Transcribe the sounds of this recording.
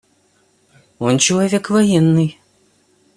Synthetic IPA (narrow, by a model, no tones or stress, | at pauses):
ɔnt͡ɕɛlˠɐvʲɛkvɐjɛnːɨj